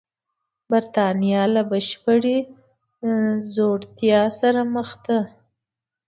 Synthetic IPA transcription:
baɾt̪ɑnijɑlabaʃpəɽe | zoɽt̪jɑsaɾaməxd̪a

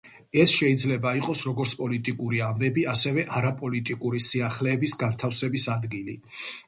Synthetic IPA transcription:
ɛsʃɛid̪zlɛbaiqʼɔsɾɔɡɔɾt̪sʰpʼɔlit̪ʼikʼuɾiambɛbiasɛvɛʔaɾapʼɔlit̪ʼikʼuɾisiaχlɛːbisɡant̪ʰafsɛbisad̪ɡilḭ

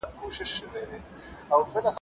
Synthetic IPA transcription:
koʃɪʃʃəwed̪e | awkəlax

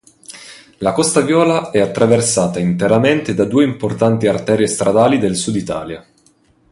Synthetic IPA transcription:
lakɔst̪avjɔːlaɛat̪ːɾaversaːt̪aint̪eɾament̪ed̪ad̪uːeimport̪ant̪iart̪ɛːɾiest̪ɾʔad̪aːlid̪elsud̪it̪a̰ːlja

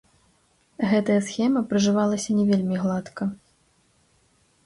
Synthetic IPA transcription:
ɣɛt̪ɐjɐsxʲɛmɐpɾɨʐɨvalˠɐsʲɐnʲɛvʲelʲmʲiɣlˠat̪kɐ

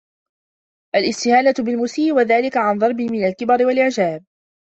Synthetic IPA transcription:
ʔalɪst̪ɪhaːnat̪bɪlmʊsiːʔwaðaːlɪkaʕanðˤɑɾˤbɪmɪnalkɪbɑɾɪwalʔɪʕd͡ʒaːb̚

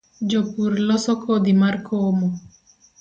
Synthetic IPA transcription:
d͡ʒopuɾlɔsɔkod̪imarkʰomo

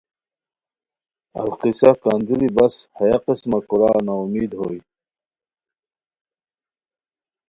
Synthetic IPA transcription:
a̰lqisakand̪uɾibashajaqesmakuɾaːnaumiːd̪hoːj

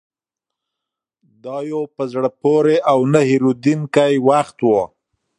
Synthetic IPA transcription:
d̪ɑjopəzɽəpoɾeʔawnahɪɾud̪inkajwaxt̪wo

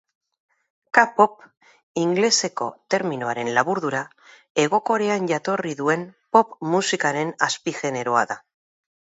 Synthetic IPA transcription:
kapo̞p | iŋɡle̞se̞ko̞̰t̪e̞ɾmino̞aɾe̞nlaβuɾðuɾa | e̞ɣ̞o̞ko̞ɾeanʝat̪o̞riðue̞mpo̞pmusikaɾe̞naspiʝe̞ne̞ɾo̞a̰ða

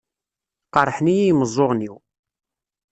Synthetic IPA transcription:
qɑɾˤħnijijməzˤːoʁniw

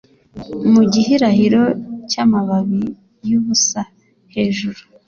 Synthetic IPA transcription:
muɟihiɾahiɾo̞caːmaβaβi | juβusa | he̞ːʒuɾu

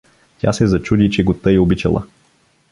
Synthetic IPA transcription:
tʲa̰sɛzɐt͡ʃud̪it͡ʃɛɡot̪ɤiobit͡ʃɐ̰lˠə̰

